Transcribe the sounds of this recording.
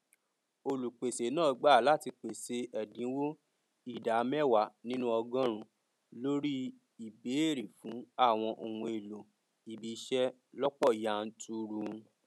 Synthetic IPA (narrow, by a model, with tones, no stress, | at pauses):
o˧lu˨k͡pe˨se˨˦nãː˦˨˧ɡ͡ba˦˨la˦ti˧k͡pe˨se˧ɛ˨dĩ˨˦wo˦ | i˦˨da˨˦mɛ˦˨wa˨nĩ˦nũ˦ɔ˧ɡã˦ɾ̃ũ˨ | lo˦ɾi˦ | i˨be˨˦e˦˨ɾi˨fũ˨˦a˦˨w̃ɔ̃˧ʔo˨hũ˧e˨lo˨ | i˨bi˨˦ʃɛ˦ | lɔ˦k͡pɔ˦˨ja˦˨n̩˦tʰu˦ɾu˧